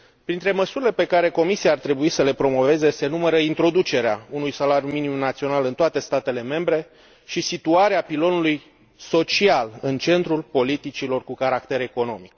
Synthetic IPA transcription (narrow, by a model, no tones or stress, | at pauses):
pɾint̪ɾe̞məsuɾile̞pe̞kaɾe̞ko̞misiaːrt̪ɾe̞buisəle̞pɾo̞mo̞ve̞ze̞se̞numəɾəint̪ɾo̞d̪ut͡ʃe̞ɾeaunujsalaɾjuminimumnat̪sio̞nalɨnt̪oat̪e̞st̪at̪e̞le̞me̞mbɾe̞ | ʃisit̪uaɾeapilo̞nuluj | so̞t͡ʃialɨnt͡ʃe̞nt̪ɾulpo̞lit̪it͡ʃilo̞rkukaɾakt̪e̞ɾe̞ko̞no̞mik